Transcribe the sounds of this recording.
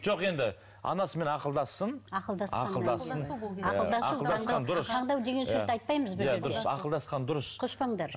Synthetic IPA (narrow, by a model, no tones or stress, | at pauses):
ʒo̞qe̞nd̪ɪ | ɑ̰nɑsəme̞nɑqəlˠd̪ɑsːənɑqəlˠd̪ɑsɑ̰qəld̪ɑsːənɑqəlˠd̪ɑɑəd̪ɑsd̪ɑnd̪ʊɾəsʰʁd̪ɑwd̪e̞ɡʲe̞nj̪ʏɾt̪ɑjt̪̚pɑjməzbɪjd̪ʊɾsɑ̰qəlˠd̪ɑsqɑnd̪ʊɾəsqʰoʃpɑɴd̪ɑɾ